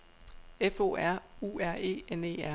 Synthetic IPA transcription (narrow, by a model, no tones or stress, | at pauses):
efo̝̰ːæɐ̰uːæɐ̰e̝̰ːene̝̰ːæɐ